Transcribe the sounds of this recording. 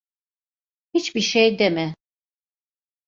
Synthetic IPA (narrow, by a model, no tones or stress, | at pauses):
hit͡ʃbiʃejd̪ɛmɛ